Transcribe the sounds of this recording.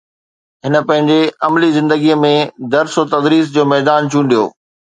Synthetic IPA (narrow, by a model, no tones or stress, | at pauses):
ɦɪnə̆pɐ̃ɦɪ̃ɲd͡ʑeɐmlizɪ̃nd̪əɡiəmẽd̪ɐɾsot̪ɐd̪ɾiːs̬d͡ʑoːmɛːd̪aːnt͡ɕʰũːɳɖijo̰ː